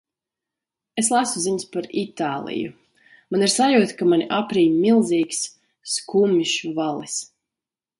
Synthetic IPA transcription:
eslˠasuziɲspaɾit̪aːlˠḭjṵ | maniɾsajuːt̪kamanʲiʔapɾiːmilˠziːksː | kumiʃuvalˠis

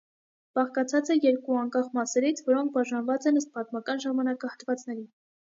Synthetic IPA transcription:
b̥ɑχkɑt͡sʰɑt͡sɛjɛɾkuɑŋkɑχmɑsɛɾit͡sʰvɔɾɔŋk̚ʰbɑʒɑnvɑt͡sɛnəst̪̚pɑt̪mɑkɑnʒɑmɑnɑkɑhət̪vɑt͡snɛɾi

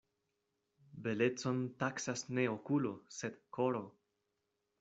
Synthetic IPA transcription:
be̞le̞t͡so̞ntaksasne̞okulo̞se̞dkʰo̞ɾo̞

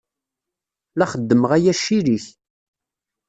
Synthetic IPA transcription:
læχəd̪ːəməʁæjæʃiɾiç

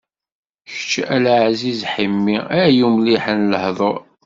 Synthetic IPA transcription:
çə̥t͡ʃːælʕzizħimːiæjumliħənləhðˤoɾˤ

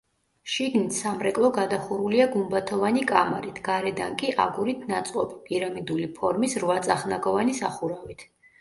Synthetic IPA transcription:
ʃiɡnit̪ʰsamɾɛkʼlˠɔɡad̪aχuɾuliaɡumbat̪ʰɔvanikʼamaɾit̪ʰɡaɾɛd̪a̰ŋkʼiʔa̰ɡuɾit̪ʰnat̪sʼqʼɔbipʼiɾamid̪ulipʰɔɾmisɾvat̪sʼaχnaɡɔvanisaχuɾavit̪ʰ

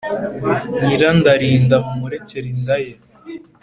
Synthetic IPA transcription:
niɾandaɾiːndamumuɾeceɾindaja

